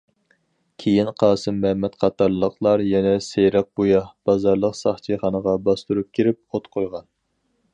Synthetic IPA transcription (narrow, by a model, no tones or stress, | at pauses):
kʲʰejinqʰɑːsɨmːɛmɛt̪qʰɑt̪ɑɾllˠəqlˠɑɾjɛnɛsejɾɑq̚b̥ujɑhb̥ɑzɑɾlˠəqsɑχt͡ʃʰiχɑnəʁɑbɑst̪uɾup̚kʲʰiɾɪp̚ot̪qʰojʁɑn